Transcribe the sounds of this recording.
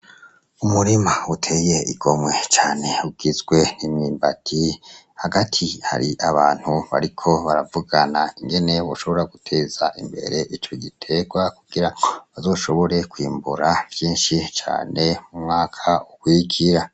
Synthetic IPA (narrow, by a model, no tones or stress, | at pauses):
umuɾimautʰe̞je̞ḭɡ̥o̞mŋwe̞t͡ʃaːne̞uɡ̥izɡwe̞nimŋiːmbatʰi | haɡatʰiha̰ɾiʔaβaːn̥huβa̰ɾikʰo̞βaɾavuɡanaiŋɡe̞ne̞βoʃo̞βo̞ɾaɡutʰe̞ːz̥aʔimbe̞̰ɾe̞ʔit͡ʃoɡitʰe̞ɡwakuɡ̥iɾaβazo̞ːʃo̞βo̞ɾe̞kwiːmbuɾavjiːnʃit͡ʃa̰ːne̞mumŋaːkʰaukwikʰiɾa